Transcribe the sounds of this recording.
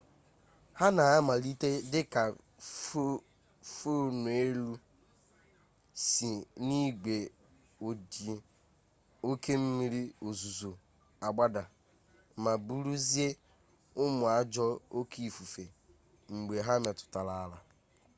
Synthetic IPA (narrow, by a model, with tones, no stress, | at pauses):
ha˦na˨a˦ma˨li˦te˦dɪ˦ka˨˦ | fo˦nʊ˨e˦lu˦ | si˨ni˦ɡ͡be˨ | o˨de˨ | o˦ke˦m̩˦mi˦ɾi˦o˨zu˨zo˨ | a˨ɡ͡ba˦da˨ | ma˨bu˦ɾu˦zi˦e˦ | ʊ˦mʊ˨a˦d͡ʒɔ˦o˦ki˦˨fu˨fe˨ | ŋ͡m̩˨ɡ͡be˨ɦa˦me˨tʊ̥˨ta˨la˨˦la˨